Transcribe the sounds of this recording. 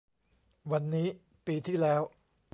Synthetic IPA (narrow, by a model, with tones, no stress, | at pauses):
wa˧nːiː˦˥ | piː˧t̪ʰiː˥˩lɛː˦˥w